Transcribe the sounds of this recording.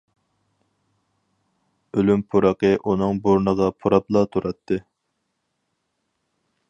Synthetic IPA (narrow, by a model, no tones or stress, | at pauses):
ølympʰuɾɑqəʔunɨŋboɾnəʁɑpʰoɾɑplˠɑt̪ʰuɾɑt̪ʰːɨ